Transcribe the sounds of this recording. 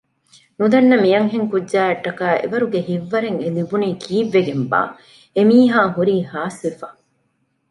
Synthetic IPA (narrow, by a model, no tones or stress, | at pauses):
nud̪ɐnːɐmijɐŋɦeŋkudːd͡ʒæːɐʈːɐkaːʔḛʋɐɾuɡeɦiʋːɐɾeŋelibuniːkʰiːʋːeɡemba̰ː | emiːɦaːɦuɾiːhaːsifɐ